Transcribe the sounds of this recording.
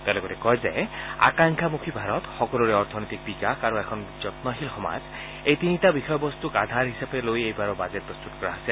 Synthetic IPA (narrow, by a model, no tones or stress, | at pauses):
t̪alɔkɔtɛkɔjza̰a̰kaŋkʰamukʰibʱaɹɔt̪xɔkɔluɹɛɔɹt̪ʰɔnɔjt̪ik̚bikakʰaɹuɛkʰɔnzɔtnɔɦilxɔma̰z | ejt̪initabixɔjɔbɔst̪ukad̪ʱaɹɦisapelojejbaɹɔbazet̚pɹɔst̪utɔkɔɹa̰ɦasil